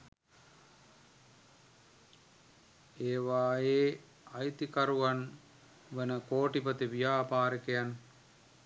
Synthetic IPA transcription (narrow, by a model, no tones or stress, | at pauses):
eːʋaːjeː | ajt̪ikaɾuʋan | ʋənəkoːʈipət̪iʋijaːpaːɾəkejan